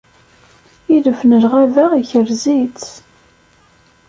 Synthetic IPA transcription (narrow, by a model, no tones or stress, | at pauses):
iðəfnəlʁæðæiçəɾzit͡s